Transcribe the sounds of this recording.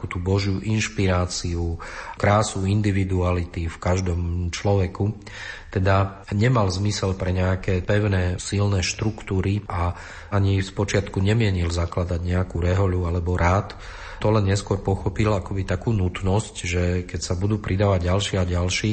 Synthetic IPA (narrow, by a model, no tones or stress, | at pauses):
kut̪uːbɔʒjuʔinʃpiɾaːt͡siukɾaːsuind̪iʋid̪ualit̪ifkaʒd̪ɔmt͡ʃlɔʋɛku | t̪ɛd̪a | ɲɛmalzmisɛlpɾɛɲɛakɛːpɛʊnɛːsilnɛʃt̪ɾukt̪uːɾiʔa | aɲifspɔt͡ʃɪat̪kuɲɛmɪɛɲilzaklad̪aɟɲɛakuɾɛɦɔlualɛbɔɾaːt̪ | t̪ɔlɛnɲɛskʊɔɾpɔxɔpilakɔbit̪akuːnut̪nɔscʒɛkɛcsabud̪uːpɾid̪aːʋaɟɟalʃɪɛaɟalʃiː